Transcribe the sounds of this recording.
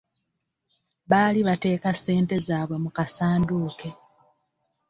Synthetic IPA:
βaːliβate̞ːkase̞ːnte̞zaːβwe̞mukasaːnduːke̞

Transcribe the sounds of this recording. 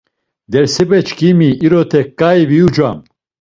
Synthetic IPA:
d̪ɛɾsɛbɛt͡ʃʰkimiiɾɔt̪ʰɛkʼːaiviud͡ʒwam

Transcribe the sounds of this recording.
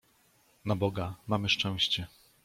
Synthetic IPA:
nabɔɡamamɘʂt͡ʂɛ̃w̃ɕt͡ɕɛ

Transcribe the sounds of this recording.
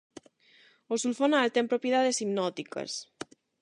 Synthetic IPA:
osulfɔnaːlt̪empɾopjiðaðesimnɔt̪ikə̰s

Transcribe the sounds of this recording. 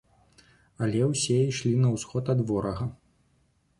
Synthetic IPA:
ɐlʲɛwsʲɛiʂlʲinɐwsxɔt̪ɐd̪vɔɾɐɣɐ

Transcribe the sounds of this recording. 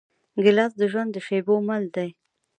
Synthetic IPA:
ɡɪlɑsd̪əʒwand̪ːəʃejbomald̪aj

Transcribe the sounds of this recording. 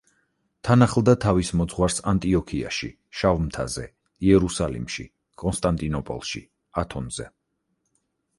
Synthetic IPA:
t̪ʰanaχlˠd̪at̪ʰavismɔd̪zʁwaɾsant̪ʼiɔkʰia̰ʃḭ | ʃavmt̪ʰa̰zɛ | iɛɾusalḭmʃḭ | kʼɔnst̪ʼant̪ʼinɔpʼɔ̰lˠʃḭ | at̪ʰɔnzɛ̰

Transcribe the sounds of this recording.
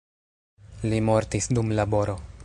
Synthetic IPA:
limo̞ɾtisdumlabo̞ɾo̞

